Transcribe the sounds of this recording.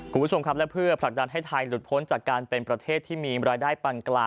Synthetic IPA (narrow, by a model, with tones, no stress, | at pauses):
kʰu˧mpʰːo˧mkʰa˦˥p̚lɛ˦˥pʰɯ˥˩ɐpʰla˨˩k̚da˧nɦa˥˩jt̪ʰa˧jlu˨˩t̪̚pʰo˦˥nt͡ɕaː˨˩kːaː˧npe˧npɾa˧t̪ʰeː˥˩t̪ʰːiː˥˩miː˧ɾaː˧jdaː˥˩jpa˧nklaː˧